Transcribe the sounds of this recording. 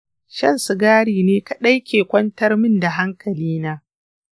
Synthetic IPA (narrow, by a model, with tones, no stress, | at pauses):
ʃɐ˦˨nsʊ˨ɡaː˦ɽiː˨neː˦ka˨ɗa˦jkʲʰeː˨kʷɐ˦ntɐ˦rmɪ˦nda˨ɦa˦ŋkʰɐ˨liː˦naː˦